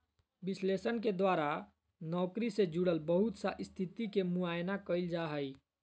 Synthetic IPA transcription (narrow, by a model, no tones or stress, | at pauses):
bɪsleːsənked̪waːɾa | nɔːkɾised͡ʒuɽəlbəɦʊt̪saʔɪst̪ʰit̪ikemuajnakəɪld͡ʒaɦəi